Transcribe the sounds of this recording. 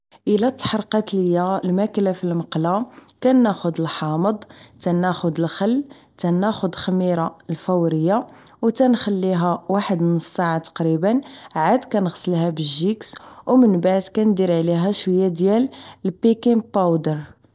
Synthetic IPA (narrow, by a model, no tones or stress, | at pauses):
ʔəlæt̪ːħɾˤqɑt̪ləjːalmæklæfilmɑqlakænːæxʊd̪əlħɑməd̪ˤt̪ænæxʊd̪əlxəlː | t̪ænːæxʊd̪xəmiɾalfəwɾəjːa | wt̪ænxəlːiɦæwaħəd̪mənəsːaʕat̪ɑ̥qɾibənʕad̪kænəɣsˤəlhæbəʒːikswmənbaʕd̪kænd̪iɾʕliɦæʃwəjːad̪jællpikimpawd̪əɾ